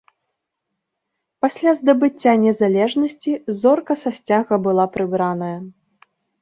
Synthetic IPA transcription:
pasʲlʲazd̪ɐbɨt͡sʲːanʲɛzalʲɛʐnɐsʲt͡sʲizɔrkɐsɐsʲt͡sʲaɣɐbɨlˠapɾɨbɾanɐjɐ

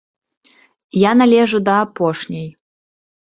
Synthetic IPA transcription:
janalʲɛʐud̪ɐːpɔʂnʲɐj

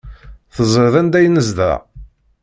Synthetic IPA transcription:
θəzˤəɾðænd̪æjnəzðæ̰

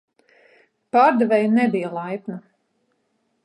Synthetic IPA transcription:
paːɾd̪ɛvɛjnɛbijalˠajpna

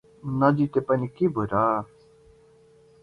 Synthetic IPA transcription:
nad̪it̪epənikibʱoɾaː

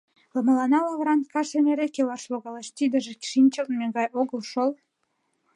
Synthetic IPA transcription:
lɤ̆mɑ̆lɑnɑlɑvɾɑnt̪kɑʃenʲeɾekʲelɑrʃlˠoɣɑleʃt̪id̪ə̆ʒĕkʲʃinʲt͡ɕə̆lnmʲeɡɑjʔoɣə̆lʃol

